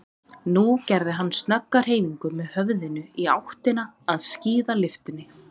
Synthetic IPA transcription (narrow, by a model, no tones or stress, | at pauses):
nucɛɾðɪɦanːst̪nœkːaɾ̥ɦeːjmiŋkʏmɛðhœvðɪnʏia̰wht̪ɪnaːðsciːðalɪft̪ʏnːɪ